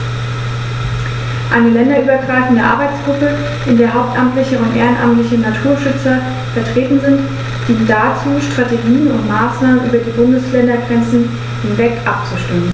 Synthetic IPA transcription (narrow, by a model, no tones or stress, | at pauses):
ʔaɪnəlɛndɐʔyːbɐɡʁaɪfn̩dəʔa̰ɐbaɪt͡sɡ̥ʁʊpə | ʔɪndeːɐɦaʊp̚tʔamtlɪçəʊntʔḛːʁənʔa̰mtlɪçənatʰuːɐʃʏt͡sɐ | fɛɐtʁ̥eːtn̩zɪnt | d̥iːnnd̥at͡suːʃtʁ̥ateɡiːənʊntmaːsnaːmənʔy̰ːbɐdiːbʊndəslɛndɐɡʁɛnt͡sn̩ | hɪnvɛkʔap̚t͡suʃtɪmən